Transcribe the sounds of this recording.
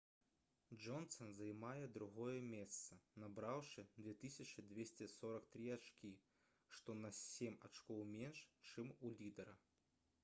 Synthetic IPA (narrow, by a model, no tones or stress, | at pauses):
d͡ʐɔnt̪sɐnzɐjmajɛd̪ɾuɣɔjɛmʲɛst̪sɐnabɾawʂɨd̪ʲvʲɛt̪ɨsʲɐt͡ʃɨd̪ʲvʲesʲt͡sʲɛsɔɾɐkt̪ɾiat͡ʂkʲi | ʂt̪ɔnɐsʲemʲat͡ʂkɔwmʲenʂt͡ʂɨmulʲid̪ɐɾɐ̰